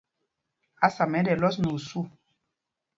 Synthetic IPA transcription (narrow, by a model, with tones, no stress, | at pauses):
a˦sa˨mɛ˨˦dɛ˨lɔ˦s̬no˨su˦